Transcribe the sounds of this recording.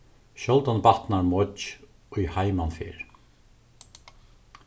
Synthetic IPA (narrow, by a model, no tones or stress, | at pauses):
ɕɔlt̪anpaht̪naɾmɔt͡ʃ | ɔjhaːjmanfɪ̰ɾ